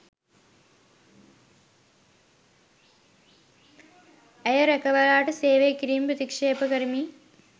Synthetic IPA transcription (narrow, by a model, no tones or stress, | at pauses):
ɐjɐɾekɐʋɐɾaːʈɨseːʋeːkɾiːmpɐt̪ikʂeːpɐkɐɾimi